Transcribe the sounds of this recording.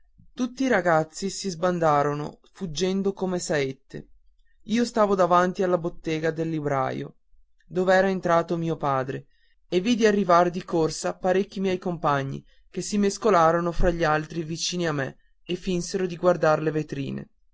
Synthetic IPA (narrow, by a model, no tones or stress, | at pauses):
t̪ut̪ːiːɾaɡat̪sːisizband̪aːɾono̰fud͡ʒːɛnd̪okomesaet̪ːḛ | iːost̪aːvod̪avant̪ialːabot̪ːɛːɡad̪elːibɾa̰jo̰ | d̪oːveɛːɾaent̪ɾaːt̪omiːopaːd̪ɾe | evːid̪iarːivaɾed̪ikorsapaɾekːimjɛjkompaɲːḭ | k̟esimeskolaːɾonofɾaʎːialt̪ɾivit͡ʃiːniamːḛ | efːinseɾod̪iɡward̪aɾlevet̪ɾḭːnḛ